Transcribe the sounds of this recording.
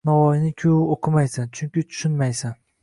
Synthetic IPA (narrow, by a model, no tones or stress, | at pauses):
nɒwɒjɪnɪkʲʰʊoqʰɨmajsant͡ʃʰʊŋʲkʲɪt͡ʃ̪ʰʊ̥ʃʊnmajsan